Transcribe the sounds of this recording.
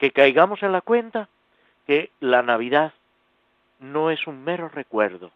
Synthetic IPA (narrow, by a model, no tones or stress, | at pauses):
ke̞kajɣamo̞se̞nlakwe̞nt̪a | ke̞lanaβ̞iðað | nõ̞e̞suŋme̞ɾo̞re̞kwe̞ɾðo